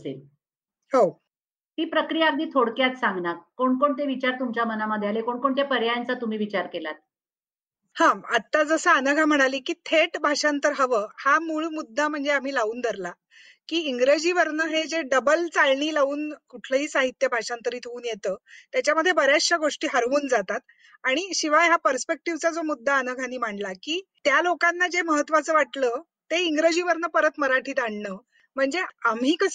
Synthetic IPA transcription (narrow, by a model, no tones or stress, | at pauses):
sḛl | ho | t̪iːpɾəkɾijaɡ̚d̪iːt̪ʰoɽkjat̪sãŋɡnakːoɳkoɳt̪eʋit͡ɕaɾt̪umt͡ɕjamənaməd̪ʱːjalekoɳkoɳt̪epəɾjajant͡sat̪um̤iːʋit͡ɕaɾkelat̪̚ | hãat̪ːad͡zəsəanəɡʱam̤əɽ̃aliːkiːt̪ʰeʈbʱaʂant̪əɾɦəʋəːhamuːɭmud̪ːam̤əɳd͡zeam̤iːlauːnd̪ʱəɾla | kiːiŋɡɾed͡ʑiːʋəɾnəɦed͡ʑeɖəbəlt͡salɳiːlaʋuːnkuʈʰləɦiːsaɦit̪jəbʱaʂant̪əɾiːt̪ʰeuːnjet̪əːt̪jat͡ɕjaməd̪ʱːjebəɾjasɕaɡoʂʈiːɦəɾʋuːnd͡zat̪at̪ | aɽ̃iɕiʋajɦapəɾspek̚ʈiʋt͡sad͡zomud̪ʱːaənəɡʱaniːm̤aɳɖlakiːt̪jalokanːad͡zeməɦət̪ːʋat͡səːʋaʈləː | t̪eiŋɡɾəd͡ʑiːʋəɾnəpəɾət̪məɾaʈʰiːt̪aɳɳəː | m̤əɳd͡zeamiːkəs